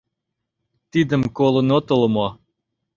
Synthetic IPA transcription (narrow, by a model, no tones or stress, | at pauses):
t̪id̪ə̆mkolˠŏnot̪olˠmɑ